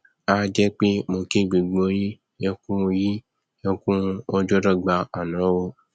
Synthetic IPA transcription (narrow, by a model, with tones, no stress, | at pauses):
a˦d͡ʒɛ˦k͡pe˦mo˧ke˦˨ɡ͡bi˨ɡ͡bo˧˦ji˦ | jɔ̃˧kũ˦o˧ji˦ | jɔ̃˧kũ˦˧o˧d͡ʒɔ˦ɾɔ˦˨ɡ͡ba˧ɔ˨nã˨˦wo˧